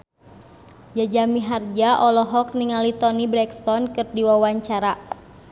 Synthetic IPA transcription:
d͡ʒad͡ʒamiɦard͡ʒaʔɔlɔɦɔk̚niŋalit̪ɔnibɾɛkst̪ɔnkɨrdiwawaɲt͡ʃaɾa

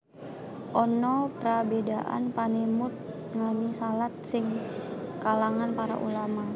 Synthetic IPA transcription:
ʔɔnɔpɾabedaʔa̰npanɛmʊt̪̚ | ŋanisalat̪̚sɪŋkalaŋanpaɾa̰ʔṵlama

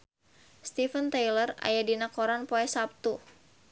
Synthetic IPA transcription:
st̪ifənt̪ajləra̰jadinakɔɾanpoɛsap̚t̪u

